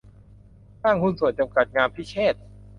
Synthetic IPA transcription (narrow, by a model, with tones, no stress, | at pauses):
saː˥˩ŋkʰu˧˥nsu˨˩ənt͡ɕa˧mka˨˩t̪̚ŋaː˧mpʰiː˦˥˩t͡ɕʰeː˥˩t̪̚